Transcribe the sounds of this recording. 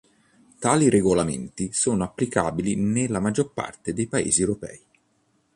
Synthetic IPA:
t̪aːlireɡolamḛnt̪isoːnoapːlikaːbilinelːamad͡ʒːorpa̰rt̪ed̪ejpaḛːziewɾopɛ̰ːi

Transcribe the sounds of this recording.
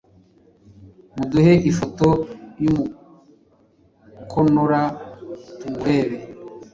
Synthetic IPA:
muduheʔifotojumu | kʰonoɾatuɡweːβe

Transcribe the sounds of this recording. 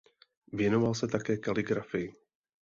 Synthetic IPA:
vjɛno̞valsɛt̪akɛːkalɪɡɾafɪjɪ

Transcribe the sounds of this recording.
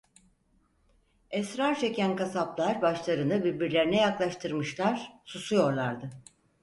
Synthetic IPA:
ɛsɾaɾt͡ʃʰe̞cʰænkasaplˠaɾbaʃlˠaɾɯnɯbiɾbiɾlʲe̞ɾinɛjaklˠaʃt̪ʰɯɾmɯʃlˠaɾ̥susujo̞ɾlˠaɾd̪ɯ

